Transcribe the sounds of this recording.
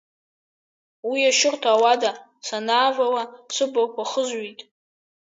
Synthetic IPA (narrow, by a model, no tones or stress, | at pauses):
wiaʃʊrtʰaːwada | sanaːvawasʷɨbakʷʰaχəzɥitʼ